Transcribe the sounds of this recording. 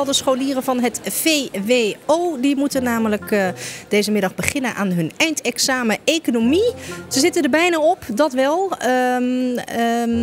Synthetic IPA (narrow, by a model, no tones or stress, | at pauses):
ɛlˠdəsχowliːrəvɑnɦətfeʋeoːdimutənːaːmələkd̥ejzəmɪdɑχbəχɪnənʔa̰ːnɦɵnɛjntɛksaːməekonomiz̥əzɪtəndəɹbɛjnaɔpdɑtʋɛlˠ